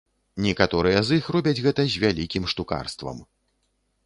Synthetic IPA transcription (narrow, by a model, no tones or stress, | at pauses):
nʲɛkat̪ɔɾɨjɛzixrɔbʲɐd͡zʲɣɛt̪ɐzʲvʲalʲikʲimʂt̪uka̰rst̪vɐ̰m